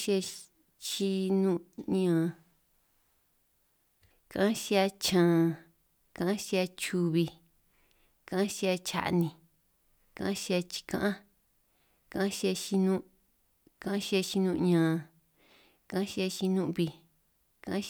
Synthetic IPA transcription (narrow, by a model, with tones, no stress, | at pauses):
ʃa˧ | t͡ʃi˧nũ˦ɲã˨ | kã˦ʃi˦˧a˧t͡ʃãː˨˧˨ | kã˧ʔã˦ʃi˧a˧t͡ʃu˧βi˧ | kã˧ã˦ʃi˧a˧t͡ʃa̰˧ʔnĩ˧ | kã˧ʔã˦ʃi˦˧a˧t͡ʃi̥˧kã̰˦ʔã˦ | kã˦ã˦ʃi˧a˧ʃi˧nũ˦˧ | kã˧ã˦ʃi˦a˧ʃi˧nũ˧ɲãː˨ | kã˧˦ʃi˧a˧ʃi˧nũ˦ʔβi˧ | kã˧ʔʃ